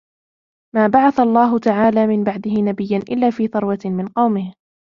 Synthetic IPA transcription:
maːbaʕaθalˤːɑːɦʊt̪aʕaːlaːmɪnbaʕd̪ɪhɪnabɪjːanʔɪlːaːfiːθɑɾˤwɑt̪mɪnqɑwmɪh

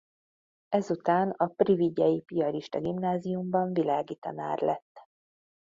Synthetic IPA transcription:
ɛzut̪aːnɒpriviɟɛjipiɒɾiʃt̪ɒɡimnaːzijumbɒɱvilaːɡit̪ɒ̰na̰ːrlɛ̰t̪ː

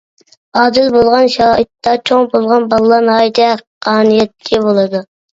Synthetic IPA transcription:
ɑːd̪ɪlbolˠʁɑnʃɑːɨt̪ːɑt͡ʃʰoŋbolˠʁɑnbɑlˠlˠɑɾnɑjd̪ɛqʰɑːnijɛt̪̚kʲʰɛbolˠɨd̪u

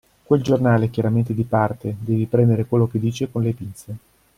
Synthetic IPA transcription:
kweld͡ʒornaːlekjaɾament̪ed̪ipart̪ed̪ɛːvipɾɛnd̪eɾekwelːoked̪ːiːt͡ʃekonlepint̪se

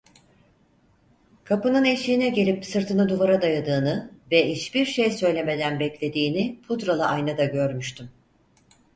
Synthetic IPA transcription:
kʰapɯnɯne̞ʃiːnɛɟe̞lʲipsɯɾt̪ʰɯnɯd̪uvaɾad̪ajad̪ɯːnɯvɛiʃbiɾʃejsø̞jlʲeme̞d̪ænbɛclʲe̞d̪iːnipʰud̪ɾalˠɯʔajnad̪aɟø̞ɾmyʃt̪ʰym

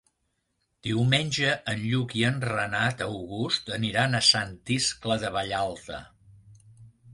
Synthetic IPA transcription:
d̪̥iwmenʲʒəʔːnʎukiənrənat̪əwɣust̪əniɾanəsant̪iskləðəβəʎalˠt̪ə̰

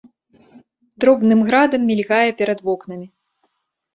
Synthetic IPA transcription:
d̪̥ɾɔbnɨmɣɾad̪ɐmʲːilʲɣajɛpʲɛɾɐd̪vɔknɐmʲi

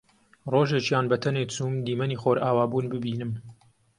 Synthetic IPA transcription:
roʒet͡ʃjaːnbɐt̪ʰɐnekt͡suːmd̪iːmɐnixoːɾaːwaːbuːnbɨbiːnɨm

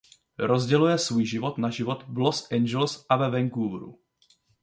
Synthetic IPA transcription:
ɾozɟɛlujɛsvuːjʒɪvo̞t̪naʒɪvo̞t̪blosʔɛnd͡ʒɛlsʔavɛvɛŋkuvɾṵ

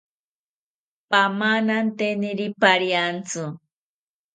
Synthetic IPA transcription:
pamanant̪enɪɾipaɾjant͡sʊ

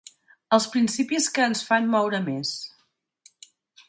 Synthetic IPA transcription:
əlˠspɾinsipiskəːnsfanmɔwɾəmes

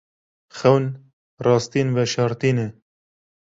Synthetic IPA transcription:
xɛwn | rɑːst̪iːnvɛʃɑːɾt̪iːnɛ

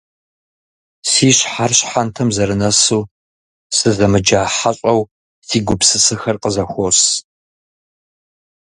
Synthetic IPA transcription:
siːɕħarɕħantʰɐmzɐɾɨnɐsuː | sɨzɐmɨd͡ʒaːħaɕʼɐw | siːɡʷʊpsɨsɨxɐrqəzɐxʷos

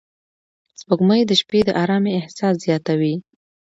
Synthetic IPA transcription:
spəɡməjd̪əʃped̪əʔɑɾɑmiɪhsɑszjɑt̪awi

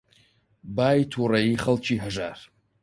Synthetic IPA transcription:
bajtʰuraiχəlt͡ʃʰiħaʐar

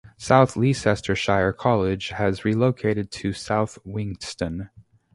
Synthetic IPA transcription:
saʊθlisɛstʰə˞ʃaɪə˞kʰɑlˠɪd͡ʒ̥ɨzɹiloʊkʰeɪɾɨd̚tʰɨsaʊθwɪ̃ŋstɨ̃n

